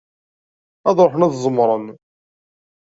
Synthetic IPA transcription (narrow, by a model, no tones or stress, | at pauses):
æðɾoħnæðzˤəmɾˤən